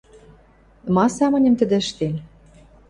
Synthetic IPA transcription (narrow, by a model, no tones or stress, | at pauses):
mɑsɑmə̆nʲə̆mt̪ə̆d̪ɘ̆ʃt̪en